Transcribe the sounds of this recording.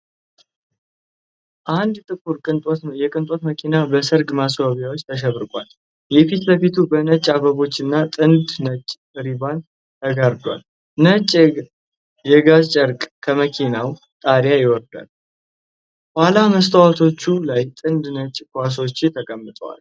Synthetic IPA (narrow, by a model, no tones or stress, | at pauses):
ʔand̪t̪ʼɨkʰʼuɾʼjɛkʼɨnt̪ʼo̞t̪məkʰinabəsɨɾɡmasaβjawot͡ʃːt̪ʰəʃ̬ɛβɾɨkʼal | jɛfit̪ləfit̪ʰubənət͡ʃʼːaβəβo̞t͡ʃːɨnːat̪ʼɨnd̪nət͡ʃʼː | ɾiban | t̪ʰəɡaɾd̪wa̰l | nət͡ʃʼ | jɛɡazt͡ʃʼəɾkʼkʰəməkʰinaw | t̪ʼaɾjajɪwɔɾd̪a̰l | hhalaməst̪ʰəwat̪ʰo̞t͡ʃːulajt̪ʼɨnd̪nət͡ʃʼːkʰʷas̬o̞t͡ʃːɪt̪ʰəkʼəmːɨt̪ʼəwa̰l